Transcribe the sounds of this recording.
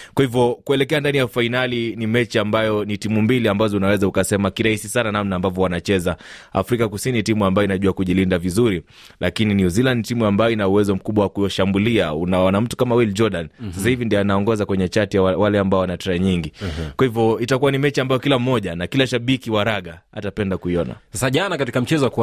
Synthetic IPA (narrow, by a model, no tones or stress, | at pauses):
kwahivɔkuɛlɛkɛandanijafainalinimɛt͡ʃiambajɔnitimumbiliambazɔunawɛzaukasɛmakiɾahisisananamnaːmbavɔwanat͡ʃɛzaa̰fɾikakusiniitimuambajɔinaʄuakuʄilindavizuɾi | lʔakininjuzilandtimuambajɔinauwɛzɔm̩kuɓwawakujɔʃambuliaunaɔnam̩tu̥kamawild͡ʒɔɗansasahivindianaɔŋɡɔzakwɛɲɛt͡ʃatijawalɛambaɔanatɛɾaɲiŋɡikwahivɔitakuwanimɛt͡ʃiambajɔkilam̩ːɔʄanakilaʃaɓikiwaɾaɠaa̰tapɛndakuiɔna̰sasaʄanakatikam̩t͡ʃɛzɔak